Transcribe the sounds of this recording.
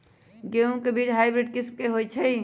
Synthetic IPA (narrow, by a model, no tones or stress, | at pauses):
ɡeũkebiːt͡ʃɦajbɾeɖ̚kɪsmkeɦojt͡ʃʰɛ